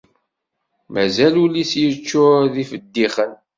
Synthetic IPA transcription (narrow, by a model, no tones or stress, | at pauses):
mæzælulisjət͡ʃːʊðifəd̪ːiχən